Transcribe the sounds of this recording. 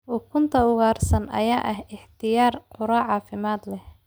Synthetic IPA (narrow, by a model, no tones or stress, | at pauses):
ʔʊkʰʊnt̪ʰɐʊɣaːrsɐnɐ̰jaːʔɐɦɪħt̪ʰɪjaːrqʊɾaʕɑːfɪmaːd̪lɛh